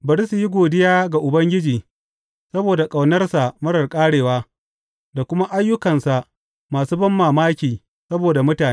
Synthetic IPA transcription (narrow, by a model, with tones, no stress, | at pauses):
bɐ˨ɾi˦su˨ji˦ɡʷoː˨dɪ˦jaː˦ɡa˨ʔʊ˨bɐ˦ŋɡʲɪ˦d͡ʒiː˨ | sɐ˦boː˨da˨kʼa˨wnɐ˦rsa˨mɐ˦ɽɐ˨rkʼaː˦ɽeː˨waː˦ | da˨kʷʊ˦ma˦ʔa˦jːʊ˦kɐ˨nsa˨ʔ | maː˨suː˦bɐ˦mːaː˨maː˦kʲiː˨ | sɐ˦boː˨da˨mʊ˦taː˨